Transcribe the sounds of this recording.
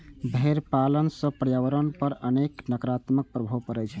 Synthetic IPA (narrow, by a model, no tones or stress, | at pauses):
bʱeɾpalənsə̃pəɾjawəɾənpəɾəneknəkɾat̪mək̚pɾəbʱəkəɾɛt͡ʃʰɛ